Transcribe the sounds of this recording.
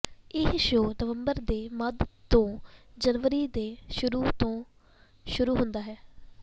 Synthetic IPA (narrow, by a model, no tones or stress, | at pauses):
ɪsʃoːnəʋəmbəɾd̪eːməd̪t̪õːd͡ʒənʋəɾiːd̪eːʃʊɾuːt̪õː | ʃʊɾuːɦʊnd̪aːɦɛː